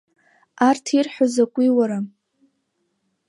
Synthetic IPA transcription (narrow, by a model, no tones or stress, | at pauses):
artʰirħʷᶣazakʷʼiwaɾa